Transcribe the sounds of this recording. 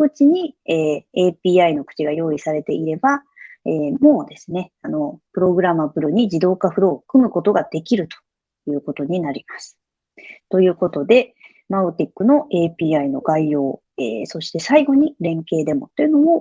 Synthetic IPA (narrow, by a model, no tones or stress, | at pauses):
ɯ̟t͡ɕiɲ̟ieːeːpʲiːaino̞kɯ̟̥t͡ɕiɡajo̞ːisaɾe̞t̪e̞ʔiɾe̞ba | eːmo̞ːd̪e̞sɨne̞ano̞pɯ̟ɾo̞ɡɯ̟ɾamabɯ̟ɾɯ̟ɲ̟id͡ʑid̪o̞ːkaɸɯ̟ɾo̞ːkɯ̟mɯ̟ko̞t̪o̞ɡad̪e̞kʲiɾɯ̟t̪o̥ | jɯ̟ːko̞t̪o̞ɲ̟inaɾʲimasɨ̥ | t̪o̞jɯ̟ːko̞t̪o̞d̪e̞ | maɯ̟t̪ʲikːɯ̟no̞ʔe̞ːpʲiːaino̞̰ɡaijo̞ː | ḛːso̞ɕi̥t̪e̞saiɡo̞ɲ̟iɾẽ̞ŋke̞ːd̪e̞mo̞t̪ːo̞jɯ̟no̞mo̞